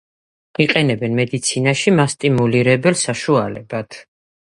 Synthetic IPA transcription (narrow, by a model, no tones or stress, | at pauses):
iqʼɛnɛbɛnmɛd̪it̪sʰinaʃimast̪ʼimuliɾɛbɛlsaʃualɛbat̪ʰ